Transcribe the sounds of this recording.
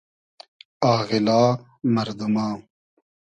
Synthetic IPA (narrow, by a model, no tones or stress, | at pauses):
aːɣilaː | mɐɾd̪umaː